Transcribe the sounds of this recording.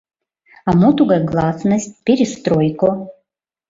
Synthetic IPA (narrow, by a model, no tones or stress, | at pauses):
amot̪uɡaɡlˠasnəsʲt̚ʲpʲeɾʲist̪rojko